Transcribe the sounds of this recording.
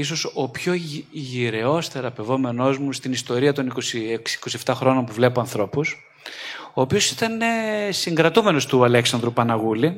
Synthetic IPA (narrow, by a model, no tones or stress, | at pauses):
is̬o̞sopço̞ʝiɾe̞o̞sθe̞ɾɐpe̞vo̞me̞no̞zmust̪inist̪o̞ɾiɐt̪o̞niko̞sieksi̥ko̞sieft̪ɐxɾo̞no̞mpuvle̞poɐnθɾo̞pus | o̞ːpio̞si̥t̪ɐnesiŋɡɾɐt̪ume̞no̞st̪uɐleksɐnd̪ɾupɐnɐɣuli